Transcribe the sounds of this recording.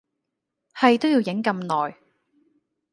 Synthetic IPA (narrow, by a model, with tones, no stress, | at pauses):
hɐ˨jt̪o˥wjiː˧wjɪ˨˥ŋkɐ˧mnɔː˨˩j